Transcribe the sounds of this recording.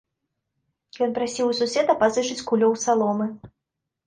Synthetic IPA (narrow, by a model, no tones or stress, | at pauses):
jɔnpɾasʲiwususʲɛt̪ɐpazɨʂɨt͡sʲkulʲɔwsalˠɔmɨ